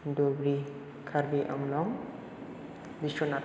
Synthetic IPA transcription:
dobɾi | kʰaɾbiʔɔ̰ŋlɔŋ | bisona

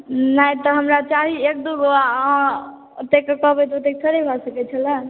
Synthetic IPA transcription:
naĩt̪ɔɦəmɾat͡ʃaɦiek̚d̪uɡoã | t̪ekːəkɔɦbɛt̪ot̪ek̚tʰəɾebʱɔsəkɛt͡ʃʰəla

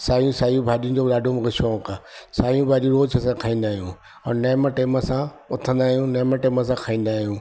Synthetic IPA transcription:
saːjũsaːjũbʱaːɗiũd͡ʑoːlaːɖʱomɣɪʃoːkasaːjũbʱaːɗiũɾoːt͡ɕʰəsãkʰaːĩːn̆d̪aːɦijũː | ɔːɾneːməʈeːməsã | ʊt̪ʰə̃nd̪aːɦijũneːməʈeːməsãkʰaːĩːnd̪aːɦijũː

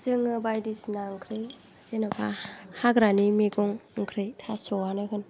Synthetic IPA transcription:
zɯŋɯbajdisnaŋkʰɾɯj | zenɔpʰahaɡɾanimeɡɔŋŋkʰɾɯjtʰasɔwanɯkʰɯn

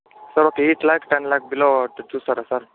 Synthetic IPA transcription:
səɾokeiʈlajkʈanlak̚biloʈd̪usəɾasəɾ

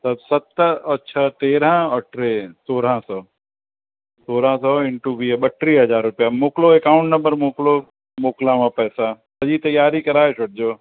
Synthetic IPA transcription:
t̪ɐsɐt̪ɐːʃʰət̪eːɾãɔʈɾesoːɾ̤ãsɔː | soːɾ̤ãsɔːɪ̃ɳʈuʋiːɓəʈɾiːɦɐzaːɾːʊpjamoːkloekaːʊ̃ɳʈnɐmbəɾmoːklo | moːklãmãpɛːsa | sɐd͡ʑit̪ɐjːaːɾikɐɾaːet͡ʃʰʊɽ̚d͡ʑoː

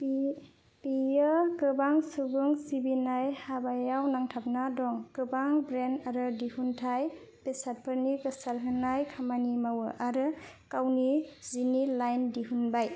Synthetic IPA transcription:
pijɯkɯbaŋsuɡuŋsibinajhabajawnaŋtʰap̚nadɔŋkɯbaŋbɾenaɾɯdihuntʰaj | pesat̚pʰɯɾnikɯsaɾɦɯnajkʰamanimawɯʔaɾɯkawnizinilajndiɦunbaj

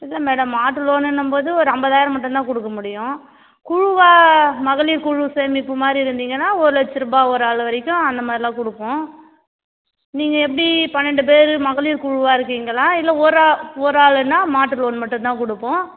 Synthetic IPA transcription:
ɪlːɐmeːɽɐmːaːʈːɯloːnɛnːɯmboːðɯɔɾɯɐmbɐðaːjɪɾɐmɐʈːʊ̃t̪ãːkɔɽɯkːɐmʊɽɪjʊ̃ | kʊɻɯʋaːmɐɣɐɭiːɾkʊɻɯseːmɪpːɯmaːd̪ɾiɪɾɯnd̪iːŋɡɐnːaːɔɾɯlɛt͡ʃːɪɾɯbaːɔɾɯaːɭʋɐɾɪkʲːʊ̃ɐnd̪ɐmaːd̪ɾɪlãːkʊɽɯpːõː | niːŋɡɐɛp̬ːɐɽipɐnːɛɳɖɯp̬eːɾɯmɐɣɐɭiːɾkʊɻʊʋaːɪɾɯkːiːŋɡɐɭãːɪlːɐɔɾɯaɔɾɯaːlɛnːaːmaːʈːɯloːnmɐʈːʊ̃nt̪ãːkɔɽɯpːõː

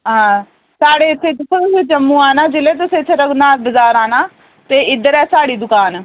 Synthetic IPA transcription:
ɦãː | saːɽeːɪt̪ʰːeːt̪ʊkʰːət̪ʊsẽːt͡ʃəmːũːaːnaːd͡ʒɪleːt̪̬ʊseːsʰeɾəɡnaːt̪̚bəzaːɾaːnaː | t̪eːɪd̪əɾɛːsaːɽiːd̪ʊkaːn

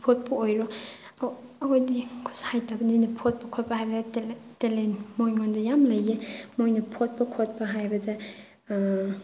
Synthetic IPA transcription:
pʰot̚pɐojɾɔ | ɐwojdikʰushajtabɐninɐpʰot̚pɐkʰot̚pɐhajbɐdɐtelenmojŋɔndɐjamlɐjemojnɐpʰot̚pɐkʰot̚pɐɦajbɐdɐ

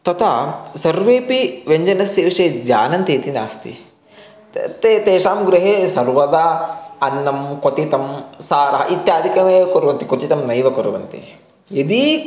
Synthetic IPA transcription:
t̪ɐt̪ʰasɐɾʋeːpiʋeɲd͡ʒɐnɐsjeːʋʂeːd͡ʒaːnɐnt̪eːt̪ina̰ːst̪ḭ | t̪et̪eːʃaːmɡɾɐɦeːsɐɾʋɐd̪aɐnːɐmkot̪it̪ɐmsaːɾɐɦɐ̰ʔit̪jaːd̪ʱikɐnɐjʋɐkoɾuʋɐnt̪ikot̪it̪ɐmnɐjʋɐkoɾuʋɐ̰nt̪ḭ | ed̪i

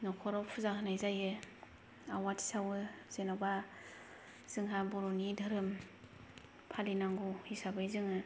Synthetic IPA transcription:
nɔkʰɔɾɔpʰuzakʰɯnajzajɯ | awatʰi̥sawɯz̥enaba | z̥ɯŋɦabɔɾɔnidʱɯɾɯm | pʰalinaŋɡuhisabajzɯŋɯ

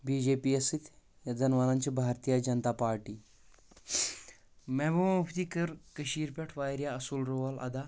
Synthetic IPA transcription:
biːd͡ʑepiːɐsit̪ | jad͡zɐnʋanãɲt͡ɕibʱaːɾt̪ijad͡ʒɐnt̪apaːɾʈiː | mɛːbɐmamupʰt̪ikɐɾkəʃiːɾpʲeʈʰʋaːjɾjaɐsulɾoʋalɐ̰d̪a

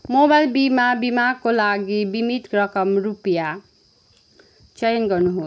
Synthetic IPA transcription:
mobajlbimabimaɡ̚kolaɡibimit̪krʌkʌmrupja | t͡ʃʌjʌnɡʌrnuɦo

